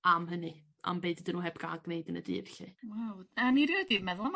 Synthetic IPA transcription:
amɦənɨ | a̰mbejdədinuːɦɛbɡaɡnejdənədḭrɬɨwawaniɾjədimɛðʊm

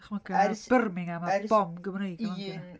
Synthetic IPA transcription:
χməkab̥ərmɪŋamab̥ɔmɡəmrejɡɔa

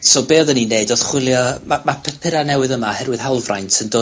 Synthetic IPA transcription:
sobeːðənineɨdoð̥χwɪlˠjɔmamapʰɛpʰɪɾanɛwɨðəmahɛrwɨðhawlˠvrajntʰəndoː

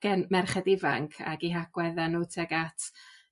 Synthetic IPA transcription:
ɡ̥ɛnmɛrχɛdɪvaŋkʰa̰ɡiɦaɡ̥wɛðanuːtʰɛɡatʰ

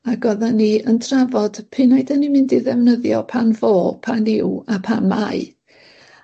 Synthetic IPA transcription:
aɡɔðaniəndʰravɔd̥pʰɪnajdanimɪndiðɛvnəðjɔ̰pʰanvoːpʰanɪwapʰanmaɨ

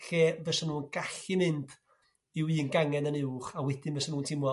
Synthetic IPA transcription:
ɬeːvɛsənuːnɡ̥aɬɪmɪnd | iwiːnɡaŋɛnənɪwχawɛd̥ɪnvɛsənuːntʰɪmwɔ

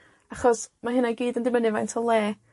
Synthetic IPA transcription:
aχɔsmaɦɨnaɡiːdəndɪmənɨvajntʰɔlˠeː

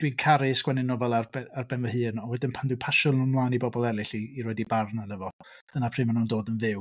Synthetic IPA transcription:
d̥winkʰaɾɨsɡ̥wɛnɪnɔvɛlˠarbɛarbɛnvəhɨːnɔwɛdɪnpʰandwɨjpʰaʃɔnunmlˠaːnibɔbɔlˠɛlˠɪɬiːɾwɛdibarnanɛvɔ | d̥ənapʰrɨːmanundoːdənvɪw

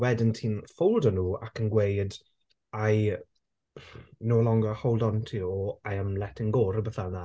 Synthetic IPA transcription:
wɛdɪntʰiːnfowlˠdɔnuːa̰kʰənɡwejd | aj | noːlˠɔŋɡɔhowlˠdɔntʰiːɔajəmlɛtʰɪŋɡoɾəbəθana

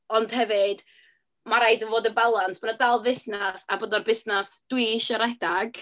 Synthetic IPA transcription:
ɔnd̥hɛvɨd̥ | maɾajdənvoːdəbalˠansb̥anadalˠvɪsnasaboːdɔrbɪsnasd̥wiʃɔɾɛdaɡ̥

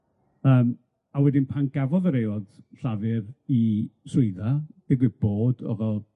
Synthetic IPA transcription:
əːm | awɛdɪnpʰanɡavɔðəɾejwɔd̥ɬavɨriswɪɨðad̥ɪɡwɨb̥oːdɔ̰vɛlˠ

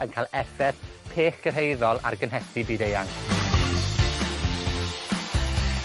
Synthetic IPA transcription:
ənkʰajlˠɛfɛθ | pʰeːχɡ̥ərɦejðɔlˠa̰rɡənɦɛtibiːdejaŋ

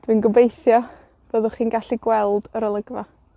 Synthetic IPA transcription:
d̥wiːnɡəbejθjɔ | b̥əðʊχiːnɡaɬiɡwɛlˠdəɾəlˠəɡva

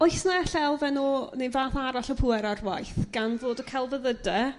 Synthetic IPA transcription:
ɔjsnaɛɬɛlˠvɛnuːnevaːθaɾaɬɔpʰʊːɛɾarwajθɡ̥anvoːdəkʰɛlˠvəðədɛ

